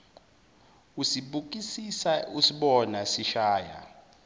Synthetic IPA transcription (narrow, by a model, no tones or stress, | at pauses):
usiɓuk̬ʼisisausiɓɔnasiʃaːja̰